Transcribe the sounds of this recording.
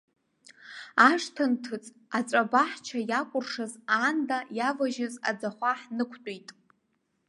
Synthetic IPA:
aʂtʰantʰɨt͡sʼ | at͡sʷʼabaħt͡ʃʰajakʷʼʊrʂazandajavaʒɪza̰d͡zaχʷaħnɨkʷʰtʼijtʼ

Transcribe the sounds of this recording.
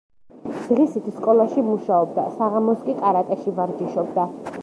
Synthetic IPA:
z̥ʁisit̪ʰskʼɔlˠaʃimuʃaɔb̚d̪a̰saʁamɔskʼikʼaɾat̪ʼɛʃivaɾd͡ʒiʃɔb̚d̪a

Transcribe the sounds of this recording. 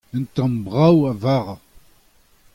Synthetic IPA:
ənt̪əmbʁawævaʁ

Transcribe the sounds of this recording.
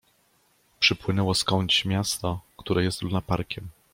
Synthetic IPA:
pʂɘpwɘnɛwɔskɔɲt͡ɕmʲjast̪ɔkt̪uɾɛjɛst̪lunapaɾkʲɛm

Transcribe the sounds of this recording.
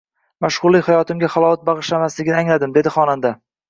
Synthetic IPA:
maʃʁʊɾlːihajɒt̪ɪmɡʲaχalˠɒwat̪̚bɑʁɨʃlamaslɪɡʲɪnɪaŋlad̪ɪmd̪e̞d̪ɪχɒnand̪a

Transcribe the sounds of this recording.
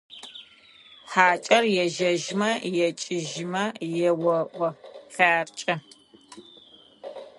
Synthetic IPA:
ħaːt͡ʃʼɐrjɛʒɐʒmɐjɛt͡ʃʼɪʒɪmɐjɛwɐʔʷʼɔɬaːrt͡ʃʼɐ

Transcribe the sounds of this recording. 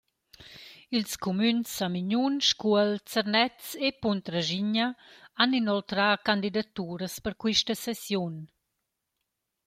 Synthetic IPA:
ilskumynsamiɲunʃkuəlt͡səɾnɛt͡sepunt̪ɾaʒiɲaaninɔlt̪ɾakand̪id̪at̪uːɾəspəɾkwiʃtəsɛsjun

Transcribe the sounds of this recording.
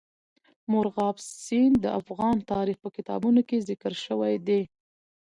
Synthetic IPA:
mʊɾɣɑbssind̪əʔafɣɑnt̪ɑɾixpəkɪt̪ɑ̰bunokezɪkəɾʃəwajd̪e

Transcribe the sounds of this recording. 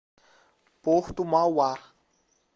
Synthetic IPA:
poht̪umawa

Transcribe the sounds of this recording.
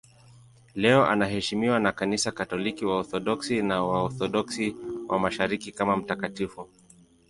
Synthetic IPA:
lɛɔʔa̰naɦɛʃimiwanakanisakatɔlikiwaɔθɔɗɔksinawaɔθɔɗɔksiwʔamaʃaɾikikamam̩takatifu

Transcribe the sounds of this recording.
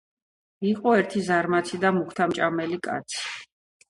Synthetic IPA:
iqʼɔɛɾt̪ʰizaɾmat̪sʰid̪amukʰt̪ʰamt͡ʃʼamɛlikʼa̰t̪sʰi̥

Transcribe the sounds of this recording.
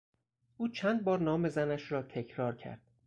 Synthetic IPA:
ʔuːt͡ʃʰænd̪̚bɒːɾnɒːme̞zænæʃɾɒːt̪ʰe̞cʰɾɒːɾcʰæ̰ɾd̪̥̚

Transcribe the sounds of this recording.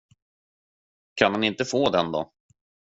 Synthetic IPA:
kʰanhanɪnt̪əfoːd̪ɛnd̪ɔ̰

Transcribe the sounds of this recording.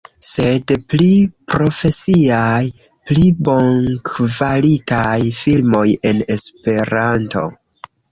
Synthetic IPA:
se̞dplipɾo̞fe̞siaj | plibo̞ŋkvalitajfilmo̞je̞ne̞spe̞ɾanto̞̰

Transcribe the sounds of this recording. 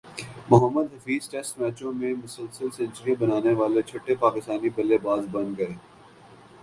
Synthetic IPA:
mʊɦəmːəd̪ɦɐfiːzʈɛsʈmɛːt͡ʃõmẽmʊsəlsəlsẽnt͡ʃɾiõbɐnaːneʋaːlet͡ʃʰoːʈːepaːkɪst̪aːnibɐlːebaːzbɐ̃nd̪ɡɐɾeː

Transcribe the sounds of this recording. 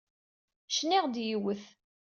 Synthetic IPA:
ʃniʁd̪jiwəθ

